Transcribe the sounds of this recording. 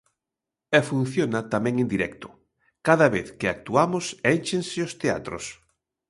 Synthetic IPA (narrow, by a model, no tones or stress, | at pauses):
ɛfun̟θjonat̪amɛ̃ŋẽnd̪iɾɛkt̪ʊ̥ | kaðaβeθkɪak̚t̪uamʊsɛjt͡ʃensɪost̪ea̰t̪ɾo̰s